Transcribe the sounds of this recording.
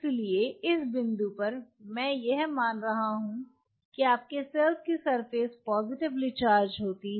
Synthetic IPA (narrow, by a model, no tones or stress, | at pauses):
kelieɪsbɪ̃nd̪upɐɾmɛ̃ːjɛɦmaːnɾɐɦaɦũ | kiaːp̚kesɛlfkisɐɾfeːspɔːzɪʈɪblit͡ʃaːɾd͡ʒɦoːt̪i